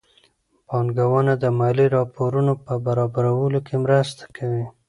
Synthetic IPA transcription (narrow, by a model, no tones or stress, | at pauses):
bɑnɡawənad̪əmɑjliɾɑpoɾunopəbaɾɑbaɾawəlokʰemɾəst̪ḁkʰawi